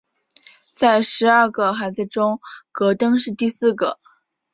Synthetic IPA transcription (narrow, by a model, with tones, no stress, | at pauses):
t͡sa˥˩ɪʂɻ̩˧˥ɐ˞˥˧ɡə˩xa˧˥ɪt͡sd͡z̩˧ʈ͡ʂʊ˥ŋkɤ˧˥t̪ɤ˥ŋʂɻ̩˥˧t̪i˥˧sɹ̩˥˩ɡə˩